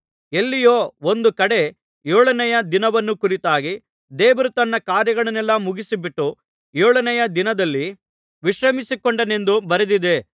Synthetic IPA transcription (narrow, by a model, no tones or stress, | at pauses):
elːijoːo̞nd̪ukɐɽe̞ | joːɭɐnɛjɐd̪inɐʋɐnːukuɾit̪aːɡi | d̪ɛːʋɐɾut̪ɐnːɐkaːɾjɐɡɐɭɐnɛlːɐmuɡisibiʈːu | joːɭɐnɛjɐd̪inɐd̪ɐlːi | ʋiʃɾɐmisikoɳɖɐne̞nd̪ubɐɾɐd̪id̪e̞